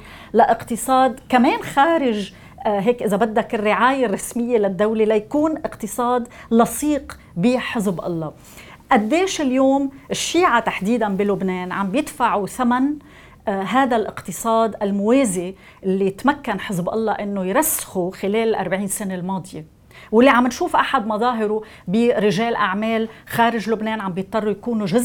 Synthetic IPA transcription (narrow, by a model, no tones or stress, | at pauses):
laʔɪqt̪ɨsˤɑːd̪kameːnxaːɾɪʒ | ɦeːkʔɪzabad̪ːakɪrːɪʕaːjerˤːɑsmɪjːelad̪ːawlelajakuːnʔɪqt̪ɨsˤɑːd̪lɑsˤiːq | biħɪzbʔɑ̰lˤːɑ | ʔad̪ːeːʃɪljoːmʔɪʃːiːʕat̪aħd̪iːd̪anbilʊbneːnʕa̰mbjɪd̪faʕuθaman | ɦaːd̪alʔɪqt̪ɨsˤɑːd̪ʔalmʊweːze | ʔɪlːijɪt̪makːanħɪzbʔɑ̰lˤːɑʔɪnːojɾasːxuxɪleːlɪlʔa̰ɾˤbʕiːnsanelmɑːd̪ˤɨje | wɪlːiʕamːɪnʃuːfʔaħad̪mɑðˤɑːɦɪɾu | biɾɪʒeːlʔaʕmeːlxaːɾɪʒlʊbneːnʕambjɨt̪ˤːɑrˤːujkuːnuʒʊzʔ